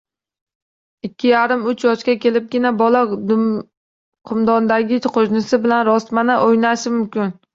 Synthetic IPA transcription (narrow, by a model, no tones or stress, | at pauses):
ɪkʲʰːɪjaɾɪmʊt͡ʃjɒʃkʲakʲʰe̞lɪp̚ɡʲɪnabɒlad̪ | qʰɨmd̪ɒnd̪aɡʲɪqʰoʒnɪsɪbɪlanɾɒst̪manaʔojnaʃɪmʊmkʲɪn